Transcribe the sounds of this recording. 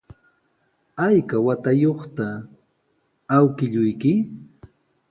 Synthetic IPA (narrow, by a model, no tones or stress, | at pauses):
ajkawat̪ajoχt̪a | wkɪʎʊjkɪ